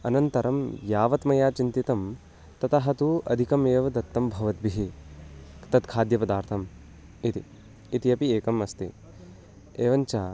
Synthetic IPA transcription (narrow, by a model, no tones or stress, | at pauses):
ɐnɐnt̪ɐɾʔɐmjaːʋɐt̪mɐjaːt͡ʃint̪it̪ɐm | t̪ɐt̪ɐɦɐt̪uʔɐ̰d̪ʱikɐmeːʋɐd̪ɐt̪ːɐmbʱɐʋɐt̪biɦi | t̪ɐt̪kʰaːd̪jɐpɐd̪aːɾt̪ʰɐm | it̪ḭː | t̪iɐpieːkɐmɐst̪ḭ | eːʋɐnt͡ʃaː